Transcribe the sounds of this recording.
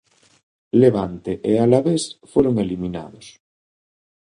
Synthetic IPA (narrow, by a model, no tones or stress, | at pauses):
leβ̞ant̪eʔealaβesfweɾoŋelimina̰ð̞os